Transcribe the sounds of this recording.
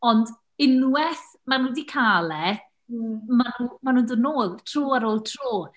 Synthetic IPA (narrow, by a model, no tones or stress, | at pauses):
ɔnd | ɪnwwɛθ | manuːdikʰaːlɛ | manumanuːndədnoːlˠtʰr̥oːaɾoːlˠtʰroː